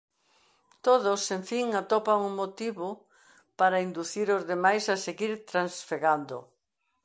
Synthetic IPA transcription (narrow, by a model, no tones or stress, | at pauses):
t̪oðoseɱfiŋat̪opaŋʊmot̪iβo | paɾaind̪uθiɾozðemajsaseɣiɾt̪ɾansfeɣand̪ʊ̰